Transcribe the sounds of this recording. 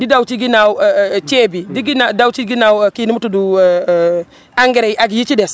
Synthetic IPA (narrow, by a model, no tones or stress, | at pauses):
didawt͡ʃiɡinaut͡ʃebidiɡinadawt͡ʃiɡinaukinimutudu | aŋɡiɾaiʔaɡijit͡ʃides